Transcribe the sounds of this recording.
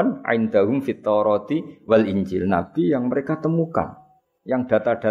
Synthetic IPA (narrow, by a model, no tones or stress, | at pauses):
nʕɪ̰nd̪aɦʊmfit̪ːɔɾɔt̪iwalʔiɲd͡ʒɪlna̰b̚d̪ijaŋməɾekat̪əmuka̰n | jaŋd̥a̤t̪aɖ̥a